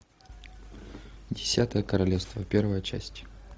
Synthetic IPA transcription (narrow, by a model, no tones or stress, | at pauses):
dʲɪsʲat̪əjəkəɾɐlʲefst̪vəpʲervəjət͡ɕæ̰sʲtʲ